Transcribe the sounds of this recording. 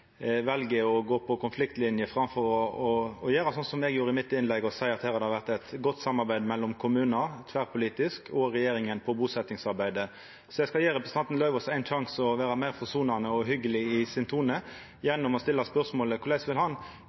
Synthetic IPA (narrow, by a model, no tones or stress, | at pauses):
ʋɛlɡəɔɡoːpʰɔkʰʊnflɪkt̪lɪnjəfɾɑmfɔɾɔɔɔjøːɾɑsɔnsɔmɛɡjuːɾəɪmɪt̪ːɪnlɛɡɔsæɪɑt̪hæːhɑd̪əhɑʋæʁt̪ɛt̪ɡɔt̪ːsɑmːɑɾbæɪd̪mɛlːɔmkʰʊmʉːnəɾt̪ʰʋæɾpʰʊliːt̪ɪskʰɔɾɛjeːɾɪŋənpʰɔbuːsɛt̪nɪŋsɑɾbæɪd̪ə | sɔjæɡskɑjeːɾɛpɾəsət̪ɑnt̪n̩lœʏʋɔsæɪnʃɑŋsɔʋæːɾɑmæɪfɔsuːnɑnəɔɦʏɡːəlɪɪsɪnt̪ʰuːnə | jɛnːʊmɔst̪ɪlːɑspœɾsmoːləkʰʊɾlæɪsʋɪlɦɑn